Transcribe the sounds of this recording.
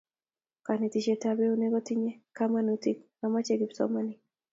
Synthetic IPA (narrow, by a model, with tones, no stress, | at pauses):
ka˨ne˨tit͡ʃe˦tabɛ˦o˦neɡɔ˦tiɲe˦kama˦nuti˦k | ama˦t͡ʃeɡɪpsɔ̰manɪ˦